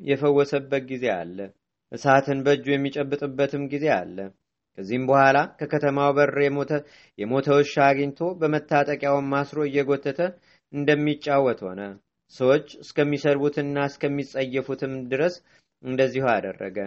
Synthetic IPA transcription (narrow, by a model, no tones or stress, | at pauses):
jɛfəwːɔsəbːət̪̚ɡize̞a̰lːə | ʔɨsat̪ʰɨnbəd͡ʒːujɛmːit͡ʃʼɛbːɨt̪ʼɨbːət̪ʰɨmɡize̞a̰lːə | kʰəzːihɨmbəhʷalakʰəkʰət̪ʰəmawbəɾə | jɛmo̞t̪ʰəwʃːaɡəɲt̪ʰo̞bəmət̪ʰːat̪ʼəkʼjawmːasɾo̞ɨjːɛɡo̞t̪ːɨt̪ʰə | ɨnd̪əmːit͡ʃʼːawːɔt̪ho̞̰nə | səwot͡ʃːɨskʰəmːisəɾbut̪ʰɨnːaɨskʰəmːisʼəjːɛfut̪ʰɨmd̪ɨɾəs | ɨnd̪əzːihuad̪ə̰rːə̰ɡə